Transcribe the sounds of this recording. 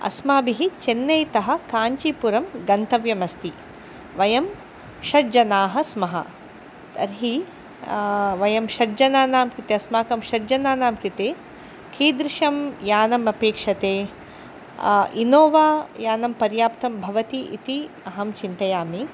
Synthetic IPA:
ɐ̰smaːbiɦit͡ʃenːɐjt̪ɐɦɐ̆kaːɲt͡ʃipuɾɐmɡɐnt̪ɐʋjɐmɐst̪i | ʋɐjɐm | ʃɐɾd͡ʒɐnaːɦɐsmɐɦɐ̰ | t̪ɐɾɦi | ʋɐjɐmʃɐɾd͡ʒɐnaːnaːmkɾit̪eɐsmaːkɐmʃɐɾd͡ʒɐnaːnaːmkit̪eː | kʰiːd̪ɾɪʃɐmjaːnɐmɐpeːkʂɐt̪eː | inoːʋaːjaːnɐmpɐɾjaːpt̪ɐmbʱɐʋɐt̪iʔḭt̪iɐɦɐmt͡ʃint̪ɐjaːmi

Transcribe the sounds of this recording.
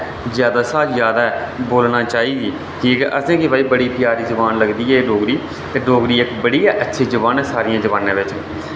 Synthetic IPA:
zjaːd̪aːsaːzjaːd̪aːɛ | boːlnaːt͡ʃaːiːɡiː | kiːkɛʔəsẽːkɪbaːiːbəɽiːpjaːɾiːd͡ʒəʋaːnləɡd̪iːɛːɖoːɡɾiː | t̪eɖoːɡɾiːɪkbəɽiːɛːʔətːʃʰiːd͡ʒəʋaːnɛːsaːɾɪjãːd͡ʒəʋaːnãːʋɪt͡ʃ

